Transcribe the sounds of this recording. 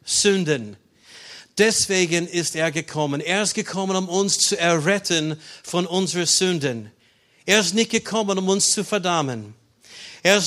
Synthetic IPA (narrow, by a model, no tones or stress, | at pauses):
z̥ʏndən | d̥ɛsv̥eːɡənɪsteːɐɡəkʰɔmə̃neːɐɪst̚ɡ̥əkʰɔmə̃nʊmʊnst͡suɛɐʁɛtʰənfɔ̃nʊnzəʁəzʏndən | eːɐɪstnɪçt̚ɡ̥əkʰɔmə̃nʊmʊnst͡sufɛɐdamə̃n | eːɪs